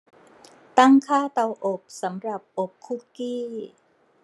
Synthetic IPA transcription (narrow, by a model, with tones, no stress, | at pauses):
t̪a˥˩ŋkʰaː˥˩t̪a˧wʔo˨˩p̚sa˩˦mɾa˨˩p̚ʔo˨˩p̚kʰu˦˥kiː˥˩